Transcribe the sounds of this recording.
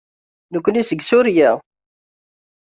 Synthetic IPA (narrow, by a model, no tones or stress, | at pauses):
nəkʷːʊnisəɡsʊɾjæ